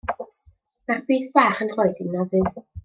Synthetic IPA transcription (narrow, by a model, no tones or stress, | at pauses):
marbiːθb̥aːχənr̥ɔɨdɪnːɔðɨ